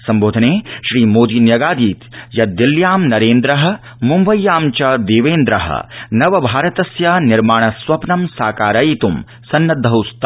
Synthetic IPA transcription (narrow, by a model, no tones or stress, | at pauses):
sɐmboːd̪ʱɐneːʃɾiːmoːd̪iːnjɐɡaːd̪iːt̪jɐd̪iljaːmnɐɾeːnd̪ɾɐɦɐ̆ | mumbɐjːaːmt͡ʃɐd̪eːʋeːnd̪ɾɐɦɐ̰nɐʋɐbʱaːɾɐt̪ɐsjanɪɾmaːɳ̃ɐsʋɐpnɐmsaːkaːɾɐit̪um | sɐnːɐd̪ʱːɐɦust̪ɐ